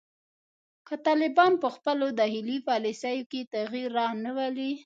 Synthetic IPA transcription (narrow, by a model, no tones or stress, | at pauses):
kət̪ɑlɪbɑnpəxpəlod̪ɑhilipɑlisajoket̪aɣiɾːɑnawali